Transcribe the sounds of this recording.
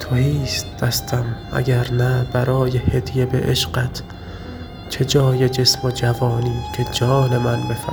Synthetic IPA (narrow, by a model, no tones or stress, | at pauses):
t̪ʰohiːst̪̚d̪̥æst̪ʰæmʔæ̰ɡʲæɾnæbæɾɒːjehed̪ijebe̞̰ʔeʃɢæt̪ʰ | t͡ʃʰe̞d͡ʒɒːjed͡ʒesmod͡ʒævɒːniːcʰe̞d͡ʒɒːne̞mænbefæ